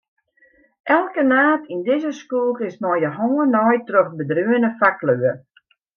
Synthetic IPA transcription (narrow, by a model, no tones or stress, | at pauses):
ʔɛlˠkənaːtʰindɪzəskuːkɪsmɔjəɦoːnɔjtrøχbədryənəfakløə